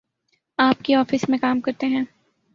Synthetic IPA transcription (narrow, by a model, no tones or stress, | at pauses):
aːpkeɔːfɪsmẽkaːmkɐɾt̪eɦɛ̃ː